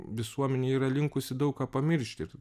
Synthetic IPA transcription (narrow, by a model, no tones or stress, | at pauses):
ʋʲɪsuɔmʲɛnʲeːiːɾɐlʲɪŋkʊsʲɪd̪ɐʊkkaːpɐmʲɪɾʲʃʲt̪ʲɪɾ